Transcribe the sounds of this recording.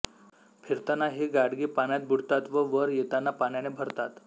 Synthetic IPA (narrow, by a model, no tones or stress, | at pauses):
pʰiɾt̪anaɦeɡaɽɡipaɳjat̪̚bʱuɽt̪at̪ʋəʋəɾjet̪anːapaɳ̃janebʱəɾt̪at̪